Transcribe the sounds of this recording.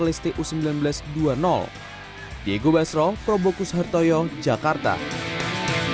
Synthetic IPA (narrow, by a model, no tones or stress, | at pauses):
list̪iʔusəmbilanbəlasduanɔ̰l | dieɡobasɾɔpɾɔbokusɦart̪ɔjɔd͡ʒakart̪a̰